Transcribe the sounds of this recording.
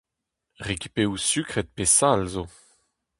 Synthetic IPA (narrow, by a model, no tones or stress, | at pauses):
ʁekʲi̥peusykχɛt̪̚pesalzo